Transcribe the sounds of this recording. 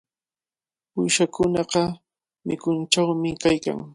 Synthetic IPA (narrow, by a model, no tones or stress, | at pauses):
ʊjʃakʊnɑqɑ | mɪkʊnt͡ʃawmɪkajka̰ŋ